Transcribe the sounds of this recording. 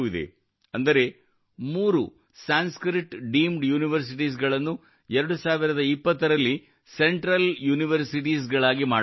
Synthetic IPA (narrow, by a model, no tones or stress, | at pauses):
id̪ḛ | ɐnd̪ɐɾe̞ | muːɾṵ | saːnskɾiʈɖiːmɖjuːniʋɐɾs̬iʈis̬ɡɐɭɐnːu | ɛɾɐɽusaːʋiɾɐd̪ɐipːɐt̪ːɐɾɐlːi | seɳʈɾɐljuːniʋɐɾsiʈ̬is̬ɡɐɭaːɡimaːɽ